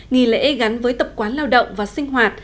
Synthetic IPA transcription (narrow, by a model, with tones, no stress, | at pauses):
ŋi˨˩lḛ˧˥ɣa˨˦nvəː˨˦jt̪ə˨˩p̚kwaː˨˦nlaː˧wɗə̰˧˨wŋ͡mvaː˨˩sï˧ŋ̟ɦwaː˨˩t̚